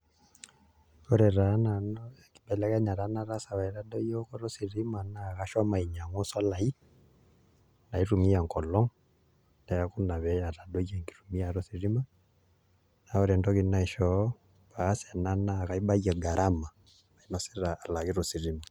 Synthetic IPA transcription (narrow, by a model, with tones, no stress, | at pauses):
ɔ˦ɾɛ˨ɾa˦na˨nɔɛ˨ki̥˨ɓɛ˨lɛ˦kɛ˦ɲa˨ɾa˦na˦ɾa˦sa˨βa˨i˨ɾa˦dɔ˦jɔ˦kɔ˦ɾo˦si˨ɾi˦ma˨na˨ka˦ʃɔ˦ma˨i˨ɲa˨ŋɔ˦sɔ˦la˨i˦ | na˨i˦ɾu˨mi˦a˨ŋkɔ˨lɔ˦ŋ | ndɛ˨a˦ku˦na˨βɛ˨ja˨ɾa˨dɔ˦jɛ˨ŋki̥˨ɾu˨mi˦a˨ɾo˦si˨ɾi˦ma˦ | na˨ɔ˦ɾɛ˨ndɔ˦ɣi˦na˦i˨ʃɔ˨˦ | βaː˨˦sɛ˨na˦na˦˨ka˦i˦ɓa˦jɛ˨ɡa˨ɾʔa˦ma˨ | βa˨i˨nɔ˨sɛ̥˦ɾaː˨la˨ɣi˦ɾo˨si˨ɾi˦ma